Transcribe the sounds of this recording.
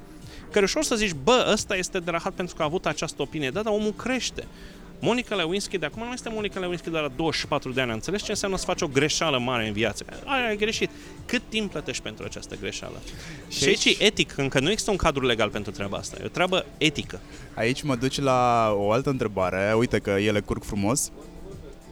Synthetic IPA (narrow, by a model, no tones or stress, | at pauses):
kəɾeuʃo̞rsəzit͡ʃʲbəəst̪aje̞st̪e̞d̪eɾaxat̪̚pe̞nt̪ɾukaːvut̪at͡ʃast̪əopinijed̪ad̪ao̞mulkɾe̞ʃt̪e̞̰ | mo̞nikalewinskʲid̪eakumanuje̞st̪e̞mo̞nikalewinskʲid̪ealad̪o̞wəʃi̥pat̪ɾud̪eanʲant̪se̞lest͡ʃe̞ɨnseamnəsə̥fat͡ʃo̞ɡɾe̞ʃaləmaɾe̞ɨnviat̪sə̥ka̰aeajɡɾe̞ʃit̪ | kɨt̪ːimbplət̪e̞ʃt̪ʲpe̞nt̪ɾuat͡ʃa̰st̪əɡɾe̞ʃa̰lə̰ | ʃiaiait͡ʃeʔe̞t̪ikɨŋkənuje̞ɡz̥ist̪əuŋkad̪ɾule̞ɡalpe̞nt̪ɾut̪ɾeaba̰a̰st̪a̰jḛo̰t̪ɾeabəe̞t̪ikə | a̰it͡ʃʲməd̪ut͡ʃʲlaoalt̪əɨnt̪ɾe̞baɾe̞ujt̪ekəjele̞kurɡfɾumo̞s